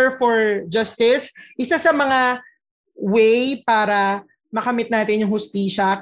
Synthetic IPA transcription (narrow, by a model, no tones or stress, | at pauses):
ɹfɔɹd͡ʒɐst̪ɪsʔɪsasɐmɐŋa | wɛjpaːɾɐ | mɐkɐmɪt̪naːt̪ɪnjʊŋhʊst̪iːʃɐ